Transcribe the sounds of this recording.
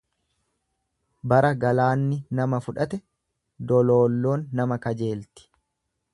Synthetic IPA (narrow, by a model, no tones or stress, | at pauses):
bɐɾɐɡɐlaːnːɪnɐmɐfʊᶑɐt̪ɛ | d̪ɔlo̞ːlːo̞ːnːɐmɐkɐd͡ʒe̞ːlt̪ɪ̥